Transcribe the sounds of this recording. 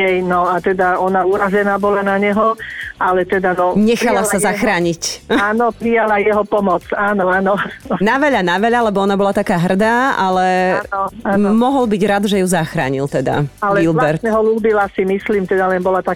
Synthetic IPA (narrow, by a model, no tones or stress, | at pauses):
ɛjnɔat̪ɛd̪aɔnauːɾazɛnaːbɔlanaɲɛɦɔʔalɛt̪ɛd̪anɔɲɛxalasazaxɾaːɲicaːnɔpɾijalajɛɦɔpɔmɔt͡saːnɔaːnɔnaʋɛʎanaʋɛʎalɛbɔɔnabɔlat̪akaːɦr̩d̪aːalɛɔamɔɦɔlbiɟɾad̪ʒɛjuzaxɾa̰ːɲilt̪ɛd̪a̰alɛilblɛɾt̪ɛɦɔluːbilasimisliːmt̪ɛd̪alɛnbɔlat̪a